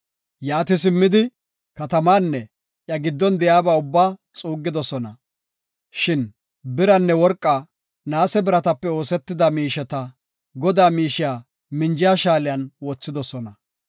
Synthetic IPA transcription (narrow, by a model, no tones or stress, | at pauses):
jaːt̪ɪs̬ɪmːɪd̪ɪ | kɐt̪ɐmaːnːɛ | ʔjɐɡɪd̪ːɔnd̪ɛjaːbɐʊbːaːt͡sʼuːɡːɪd̪ɔsɔnɐ | ʃɪn | bɪɾɐnːɛwɔɾkʼːa | naːsɛbɪɾɐt̪ɐpːɛo̞ːsɛt̪ːɪd̪ɐmiːʃɛt̪ɐ | ɡɔd̪aːmiːʃɪjaː | mɪnd͡ʒɪjaːʃaːlɪjɐnwɔt͡sːɪd̪ɔsɔnɐ